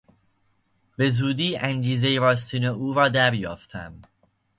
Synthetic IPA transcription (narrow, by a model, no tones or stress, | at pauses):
b̥e̞zuːd̪iːʔænd͡ʒiːzejeɾɒːst̪iːneuːɾɒːd̪æɾjɒ̰ːft̪ʰæ̰m